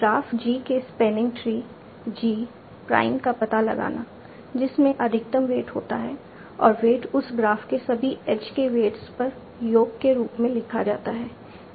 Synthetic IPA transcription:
ɡɾaːfd͡ʒiːkespɛːnɪ̃ŋɡʈɾiː | d͡ʒiː | pɾa̰ːɪmkapɐt̪alɐ̰ɡa̰ːna | d͡ʒɪsmẽʔɐd̪ʱɪk̚t̪əmʋeːʈɦoːt̪aɦɛː | ɔːɾʋeːʈʊsɡɾaːfkesɐbʱiɛt͡ʃkeʋeːʈspɐɾ | joːɡkeɾuːpmẽlɪkʰad͡ʒa̰ːt̪aɦɛː

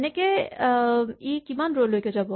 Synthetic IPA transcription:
neke | ikimanɾolɦoiked͡ʒɐbo

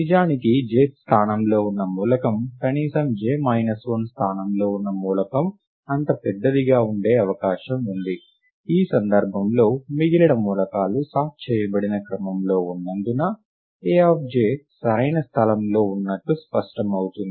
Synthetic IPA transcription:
nid͡ʒaːnikid͡ʒeːt̪st̪ʰaːnɐmlo̞ːunːɐmuːlɐkɐmkɐniːsɐmd͡ʒeːmɐjnɐsʋɐnst̪ʰaːnɐmlo̞ːunːɐmuːlɐkɐm | ɐnt̪ɐpɛd̪ːɐd̪iɡaːuɳɖe̞ːɐʋɐkaːʃɐmund̪i | iːsɐnd̪ɐɾbʱɐmlo̞ːmiɡilɐɽɐmuːlɐkaːlusaːt̪̚t͡ʃɛːjɐbɐɽinɐkɾɐmɐmlo̞ːunːɐnd̪unɐ | eːaːp̚d͡ʒeːsɐɾɐjnɐst̪ʰɐlɐmlo̞ːunːɐʈːuspɐʂʈɐmɐwut̪und̪i

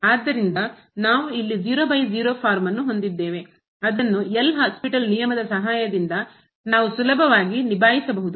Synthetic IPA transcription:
aːd̪ːɐɾind̪ɐ | naːʋuilːid͡ʒiːɾoːbɐjd͡ʒiːɾo̞ːpʰaːɾmɐnːuɦo̞nd̪id̪ːeːʋe̞ | ɐd̪ɐnːuɛlːɐɦaːspiʈɐlnijɐmɐd̪ɐsɐɦaːjɐd̪ind̪ɐ | naːʋusulɐbʱɐʋaːɡinibʱaːjisɐbɐɦud̪u

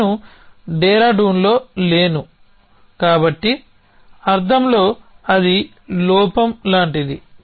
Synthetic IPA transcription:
uɖɛːɾaːɖuːnlo̞ːleːnu | kaːbɐʈːi | ɐɾt̪ʰɐmlo̞ːɐd̪i | lɔːpɐmlaːɳʈid̪i

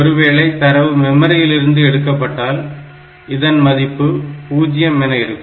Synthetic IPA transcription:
ɔɾɯʋeːɭɐɪt̪ɐɾɐʋɯmɛmɐɾɪjɪlɪɾɯnd̪ɯɛɽɯkːɐpːɐʈːaːl | ɪðɐnmɐðɪpːɯpuːd͡ʒɪjɐmɛnɐɪɾɯkː

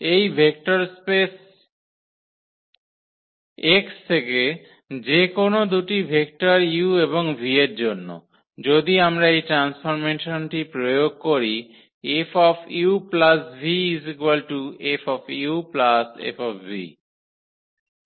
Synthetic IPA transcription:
ejbʱek̚ʈaɾspes | ekst̪ʰeke | d͡ʑekonod̪uʈibʱek̚ʈaɾjueβoŋbʱieɾd͡ʑonːo̰ | d͡ʑod̪iamɾaejʈɾansfʰoɾmenʃonʈipɾojoɡ̚koɾi | efɔfiuplasbʱiizikwalʈuefɔfiuplasḛfɔfvḭ

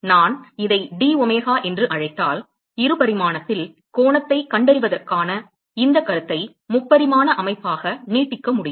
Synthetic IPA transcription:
naːnɪðɐɪɖiːɔmeːɣaːʔɛndrɯʔɐɻɐɪt̪ːaːl | ɪɾɯpɐɾɪmaːnɐt̪ːɪl | koːɳɐt̪ːɐɪkɐɳɖɐɾɪʋɐðɐrkaːnɐ | ɪnd̪ɐkːɐɾɯt̪ːɐɪ | mʊpːɐɾɪmaːnɐʔɐmɐɪpːaːɣɐniːʈːɪkːɐmʊɽɪj

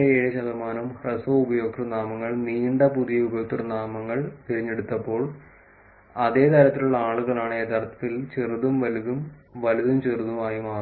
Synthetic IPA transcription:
eeːɻɐɕɐðɐmaːnumrɐsoubɐjo̞ːkrɐnaːmɐŋːɐɭniːɳɖɐpuðijɐubɐjoːkrɐnaːmɐŋːɐɭkeɾiɲːe̞ɽut̪ːɐpːo̞ːɭ | ɐðe̞ːt̪ɐɾɐt̪ːiluɭːɐaːɭuɣɐɭaːɳeːt̪ɐrɐt̪ːɐt̪ːilt͡ɕeruðumʋɐliðum | ʋɐluðumt͡ɕeruðumaːjumaː

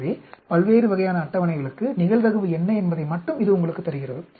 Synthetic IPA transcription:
ðipɐɭʋeːɾɯʋɐɣɐjaːnɐːʈːɐʋɐnɐɪɣɐɭɯkːɯnɪɣɐɭʋ̪ɐɣɯʋɯɛnːɐɛnbɐðɐɪmɐʈːɯmɪðɯʊŋɡɐɭɯkːɯt̪ːɐɾɯɣɪrɐðɯ

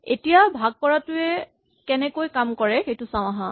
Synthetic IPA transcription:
ḛtijabʱaɡ̚pɔɹatʊɛ | kɛnɛkojkamkɔɹɛxejtʊsãw̃aɦã

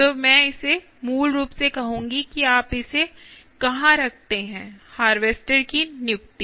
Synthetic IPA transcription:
t̪oːmɛ̃ːɪse | muːlɾuːpsekɐɦũːŋɡikiaːpɪse | kɐɦãɾɐk̚ʰt̪eɦɛ̃ːhaːɾʋeːsʈəɾkinjʊkt̪i

